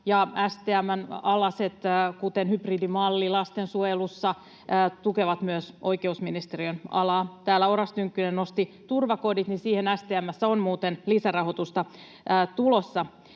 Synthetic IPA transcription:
jɑæst̪eæmːænɑlɑset̪ːkut̪enhypridimɑlːilɑst̪ensuojelusːɑ | t̪ukeʋɑt̪myøsʔo̞jkeusminist̪eriønɑ̰lɑːt̪æːlːæoɾɑst̪yŋkːynenːo̞st̪i | t̪urʋɑko̞dit̪nisiːhenæst̪eæmːæsːæonmuːt̪enlisærɑho̞t̪ust̪ɑː | t̪ulosːɑ

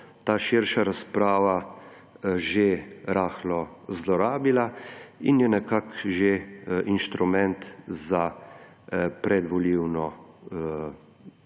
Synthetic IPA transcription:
t̪aːʃiɾʃaɾaspɾaːʋa | ʒeɾaːxlɔ | zlɔɾaːbilainjɛnɛkakʒeʔinʃt̪ɾumɛnt̪za | pɾʔɛd̪ʋɔliwnɔ

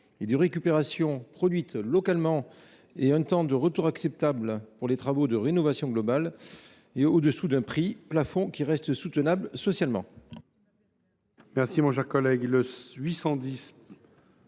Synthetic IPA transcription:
ed̪əʁekʲypeʁasjɔ̃pχɔd̪ɥit̪lɔkalmɑ̃ | eɛ̃t̪ɑ̃d̪əʁət̪uʁaksɛp̚t̪ablpuʁlet̪χavod̪əʁenɔvasjɔ̃ɡlɔbal | eod̪əsud̪ɛ̃pχiplafɔ̃kʲiʁɛst̪sut̪ənablsɔsjalmɑ̰̃ | mɛʁsimɔ̃ʃɛʁkɔlɛɡləɥisɑ̃d̪is

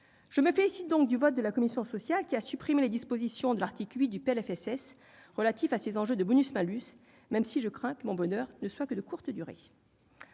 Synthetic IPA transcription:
ʒ̥əməfelisit̪̚d̪ɔ̃k̚d̪yvɔt̪̚d̪əlakɔmisjɔ̃sɔsjalkʲiasypχimeled̪ispozisjɔ̃d̪əlaʁt̪iklɥit̪̚d̪ypeɛlɛfɛsɛs | ʁəlat̪ifasezɑ̃ʒød̪əbɔnysmɛ̃lys | mɛmsiʒəkχɛ̃kəmɔ̃bɔnœːʁnəswakəd̪əkuʁt̪əd̪yʁḛ

